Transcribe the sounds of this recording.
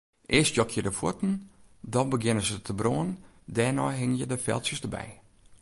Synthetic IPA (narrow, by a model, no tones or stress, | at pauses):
ʔɪəstjɔkʰjədəfutn̩dɔnbəɡɪnəzətʰəbroən | dɛːnɔjɦɪŋənjədəfɛ̰lˠsjəsdəbɛ̰j